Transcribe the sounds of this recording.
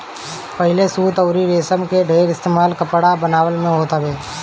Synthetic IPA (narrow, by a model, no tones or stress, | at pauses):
pɐɦɪlesuːt̪əʊɾiɾeːsəmkeɖʱeːɾɪst̪eːmaːlkɐpɽabənaːwəlmẽɦoːt̪əbeː